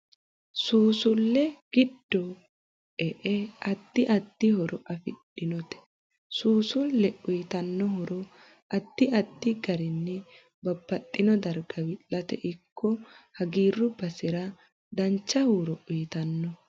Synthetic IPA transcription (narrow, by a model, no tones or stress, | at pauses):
suːsʊlːɛɡ̥ɪd̪ːɔ | ʔɛʔɛɐd̪̥ːɪʔɐd̪̥ːɪhɔɾɔʔɐfɪɗːɪnɔt̪ɛ̥ | suːsʊlːɛʔʊjt̪ɐnːɔhɔɾɔ | ʔɐd̪̥ːɪɐd̪ːɪɡɐɾɪnːɛ | bɐbːɐt̪ʼːɪnɔd̪ɐɾɡɐwɪlɐt̪ɛʔɪkʰːɔhɐɡiːrːʊbɐsɪɾɐ | d̪ɐnt͡ʃːɐhuːɾɔʔʊjt̪ɐnːɔ